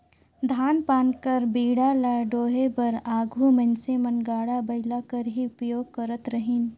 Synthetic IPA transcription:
d̪ʱaːnpaːnkəɾbiːɽalaːɖoːɦebɐɾaːɡʱumɐ̃nsemɐnɡaːɽabɐɪlakəɾɦiʊpjoːɡ̚kəɾət̪ɾəɦiːn

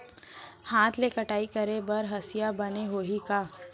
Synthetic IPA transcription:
hãːt̪ʰlekɐʈaːikɐɾebɐɾɦɐsɪjabɐneɦoːɦikaː

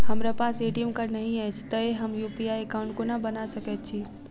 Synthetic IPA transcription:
hɐmɾapaːseːʈijəmkəɾnəɦĩat͡ʃʰt̪əeɦəmjupiaekaʊ̃ɳʈkonabənasəkɛt̪̚t͡ʃʰi

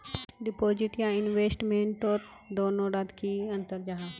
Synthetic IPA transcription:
ɖɪpoːd͡ʒiʈjãɪnʋeːsʈmẽːɳʈoːɾ | d̪oːnoːɖad̪kʰiɐ̃nt̪əɾd͡ʒaːɦa

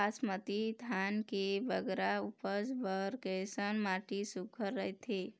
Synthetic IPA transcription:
asmət̪id̪ʱankebəɡɾaupəsbəɾkesənmaʈisukʰəɾːəɦjt̪ʰi

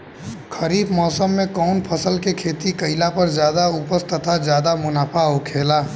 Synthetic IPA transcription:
kʰəɾiːbmɔːsəmːẽkɔːnpʰəsəlkekʰeːt̪ikəɪlapɐɾd͡ʒjaːd̪aʊpəst̪ət̪ʰazjaːd̪amʊnaːpʰaɦokʰeːlaː

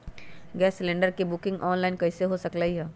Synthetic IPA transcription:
ɡɛːsːlẽːɳɖəɾkebʊkɪ̃ŋɡʔɔːnlaːɪnkɐɪseɦosɐklaiɦɛː

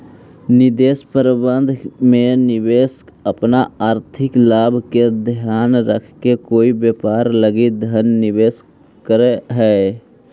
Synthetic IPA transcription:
nɪd̪eːspəɾbə̃nd̪ʱmẽnɪʋeːskəpnaaːɾt̪ʰɪklaːbʱked̪ʱjaːnɾəkʰkekoːibjeːpaːɾləɡid̪ʱənːɪʋeːs | kəɾeɦɛ

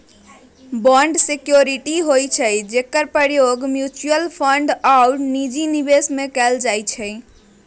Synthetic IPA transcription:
bɔɳɖsekjoɾiʈiɦojt͡ʃʰəd͡ʒekəɾpəɾjoɡmjut͡ʃuəlpʰəɳɖawnid͡ʒinibesmekɛld͡ʒajt͡ʃʰɛj

